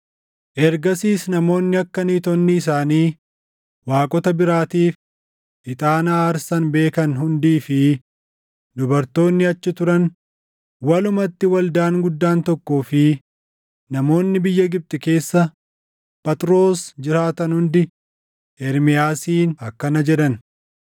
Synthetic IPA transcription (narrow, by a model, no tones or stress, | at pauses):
ʔɛɾɡɐsiːsnɐmo̞ːnːɪɐkːɐniːt̪ɔnːɪːs̬aːniː | waːkʼɔt̪ɐbɪɾaːt̪iːf | ʔɪt̪ʼaːnaːɐɾsɐnbe̞ːkɐnɦʊnd̪iːfɪ | d̪ʊbɐɾt̪o̞ːnːɪɐt͡ʃːɪt̪ʊɾɐn | wɐlʊmɐt̪ːɪwɐld̪aːŋɡʊd̪ːaːnt̪ɔkːoːfɪ | nɐmo̞ːnːɪbɪjːɐɡɪb̚t̪ʼɪke̞ːsːɐ | pʼɐt̪ɾo̞ːsd͡ʒɪɾaːt̪ɐnhʊnd̪ɪ | ɛɾmɪjaːsiːnɐkːɐnɐd͡ʒɛᶑɐn